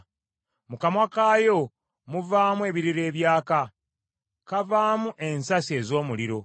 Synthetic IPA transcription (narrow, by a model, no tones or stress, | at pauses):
mukamwakaːjo̞ | muvaːmue̞ːβiɾiɾe̞ːβjaːka | kavaːmuʔe̞nsasie̞ːzo̞ːmuliɾo̞